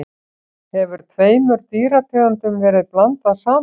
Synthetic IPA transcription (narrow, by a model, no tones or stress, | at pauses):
hɛvʏɾ̥t̪ʰveːjmʏɾt̪iːɾat̪ʰɛːðant̪ʏmvɛːɾɪðplant̪aðsaː